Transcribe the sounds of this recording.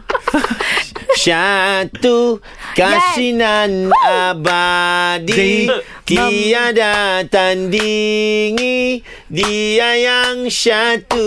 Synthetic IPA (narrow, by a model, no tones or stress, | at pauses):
ʃat̪u | kasinanabadi | t̪iadat̪andiŋi | diajaŋʃat̪u